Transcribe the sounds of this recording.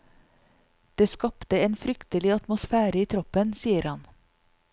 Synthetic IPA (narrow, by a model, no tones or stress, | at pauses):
d̪̥eːskɑpt̪əeːnfɾʏkt̪əlɪɑt̪mʊsfæːɾəiːt̪ʰɾɔpənsiːəɾhɑn